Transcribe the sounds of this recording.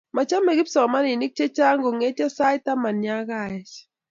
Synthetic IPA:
ma˨t͡ʃa˦me˨ki˦psɔ˨ma˦ni˨ni˦k̚t͡ʃe˦t͡ʃa˦ŋɡo˨ŋe˨˦ta˦sa˦jta˦ma˨nja˦ka˦˨ɛ˨t͡ʃ

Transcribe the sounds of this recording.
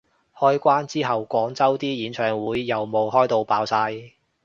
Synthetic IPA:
hɔː˥jkʷaː˥nt͡siː˥ɦɐ˨wkʷɔː˨˥ŋt͡sɐ˥wt̪iː˥jiː˨˥nt͡ʃʰœː˨˩ŋwuː˨˧˥jːɐ˨wmo˨whɔː˥jt̪o˧wpaː˨˥wsaː˧j

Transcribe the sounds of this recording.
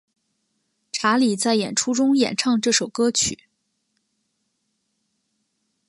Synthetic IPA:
ʈ͡ʂʰa˧˥li˨˩t͡sa˥˩ɪjɛ˨˩nʈ͡ʂʰu˥ʈ͡ʂʊ˥ŋjɛ̰˨˩nʈ͡ʂʰɑ˥˧ŋʈ͡ʂɤ˥˩ʂo˨˩ʊkɤ˥t͡ɕʰy̰˨˩˦

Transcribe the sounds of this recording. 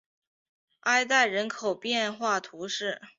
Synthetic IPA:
a˥˧ɪt̪̬a˥˩ɪɻə˧˥nkʰo˨˩ʊpjɛ˥˧nxwa˥˩t̪ʰu˧˥ʂɻ̩˥˩

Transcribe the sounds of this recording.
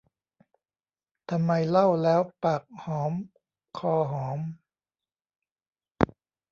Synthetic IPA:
t̪ʰa˧mːa˧jla˥˩wlɛː˦˥wpa˨˩k̚hɔː˩˦m | kʰɔː˧ɦɔː˩˦m

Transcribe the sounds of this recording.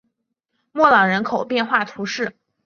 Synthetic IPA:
mwɔ˥˩lɑ˨˩ŋɻə˧˥nkʰo˨˩ʊpjɛ˥˧nxwa˥˩t̪ʰu˧˥ʂɻ̩˥˩

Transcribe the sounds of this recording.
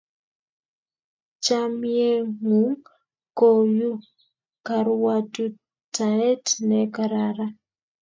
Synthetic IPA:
t͡ʃamie˦ŋu˨˦ŋ | ko˨ju˦ | ka˨ɾwatu˦ | taɛ˦tnɛkaɾaɾa˦

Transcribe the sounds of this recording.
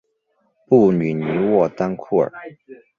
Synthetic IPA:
pu˥˩ny˨˩ny˧˥wɔ˥˩t̪a˥nkʰu˥˩ə̰˞˨˩˦

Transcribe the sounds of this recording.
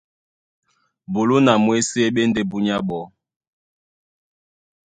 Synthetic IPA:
bo˨lu˦na˨mwe˦se˦ɓe˦nde˦bu˦ɲa˦ɓɔ˨˦

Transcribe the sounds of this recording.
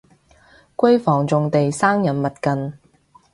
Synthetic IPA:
kʷɵ˥jfɔː˨˩ŋt͡sʊ˨ŋt̪e˨jsaː˥ŋjɐ˨˥nmɐ˨t̚kɐ˨n

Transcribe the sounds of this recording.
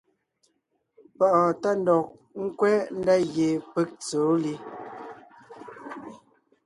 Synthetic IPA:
pɔ˦˨ʔɔ˨ta˦n̩˦dɔ˨k̚ | ŋ̩˦kwɛ˦n̩˦da˦ɣje˨pe˦k̚t͡soː˨˦li˦

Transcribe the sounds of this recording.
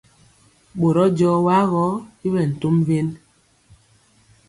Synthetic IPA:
ɓo˨ɾɔ˦d͡ʒɔː˦wa˦ɣɔ˨˦i˦βɛ˨n̩˨to˦mve˦n

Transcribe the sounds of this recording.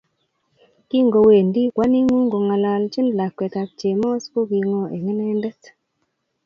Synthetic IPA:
ki˦ŋɡo˨we˨ndi˦kwa˦ni˦ŋu˦ŋɡo˨ŋa˨la˨lt͡ʃɪ˦nla˨kːwɛ˨ta˨k̚t͡ʃe˨mɔ˦sko˦ɡi˧ŋo˦ʔe˨ŋɛ˦nɛ˦ndɛ˦t

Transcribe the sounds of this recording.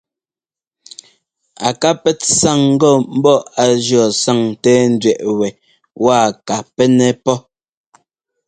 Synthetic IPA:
a˨ka˦pɛ˦tsa˦˨ŋ̩˦ɡɔ˦˨m̩˦bɔ˦a˨d͡ʒjɔ˨sa˦˨ŋtɛː˦n̩˦dɥɛ˨ʔwɛ˨ | waː˦˨ka˨pɛ˦nɛ˦pɔ˦

